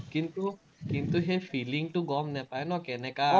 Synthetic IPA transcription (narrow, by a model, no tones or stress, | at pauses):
kint̪u | kint̪uɦefiːlɪŋʈuɡɔmnɛpaɛnɔkɛnɛka